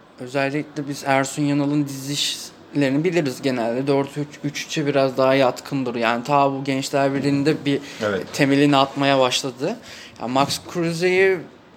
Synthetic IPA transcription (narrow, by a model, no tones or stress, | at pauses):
ø̞zælʲːiclʲɛbizæɾsunjanalˠɯnd̪iziʃ | lʲe̞ɾinibilʲiɾizɟe̞nælʲd̪ɛd̪øɾt̪ʰyt͡ʃyt͡ʃʰy̥t͡ʃʰɛbiɾazd̪aɦajat̪kʰɯnd̪ɯɾjaːnit̪ʰaːbuɟɛnt͡ʃlʲæɾbiɾind̪ɛbit̪ʰe̞melʲiniat̪majabaʃlˠad̪ɯja̰ːmakskʰɾyzeji